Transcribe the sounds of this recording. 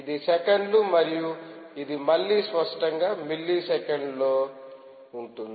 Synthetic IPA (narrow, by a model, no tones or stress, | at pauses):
id̪isɛkeɳɖlumɐɾijuid̪imɐɭːiːspɐʂʈɐŋɡaːmilːisɛkeɳɖloː | uɳʈund̪i